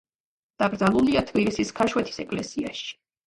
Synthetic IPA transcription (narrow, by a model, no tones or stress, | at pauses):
d̪̥abɾd̪zalˠuliat̪ʰbilisiskʰaʃwɛt̪ʰi̥sɛkʼlɛsiaʃi̥